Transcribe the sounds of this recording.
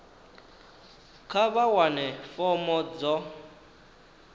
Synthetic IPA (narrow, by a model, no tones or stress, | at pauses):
kʰaβawanɛfɔmɔd͡zɔ